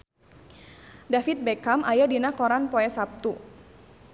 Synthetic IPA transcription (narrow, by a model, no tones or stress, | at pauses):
dafit̪̚bekamajadinakɔɾanpɔɛsap̚t̪u